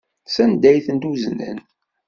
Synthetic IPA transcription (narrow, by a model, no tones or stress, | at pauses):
sænd̪æjθənt̪uznæ̰n